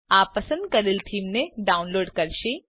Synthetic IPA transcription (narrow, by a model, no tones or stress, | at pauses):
aːpːɐsə̃nd̪̚kɐɾilt̪ʰiːmneɖaːʊnloːɖkɐɾʃi